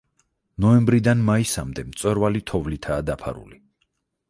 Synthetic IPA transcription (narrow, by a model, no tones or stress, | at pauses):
nɔɛmbɾid̪anmaisamd̪ɛmt̪sʼwɛɾvalit̪ʰɔvlit̪ʰaːd̪apʰa̰ɾṵli